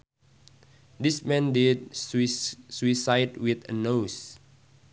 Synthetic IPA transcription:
dismɛ̃ndid̚sswisajdwit̪ə̰nos

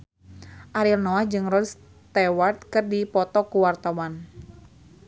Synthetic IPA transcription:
ʔaɾilnɔahd͡ʒɨŋrɔls | t̪ɛwart̪̚kɨrdipɔt̪ɔkuwart̪awan

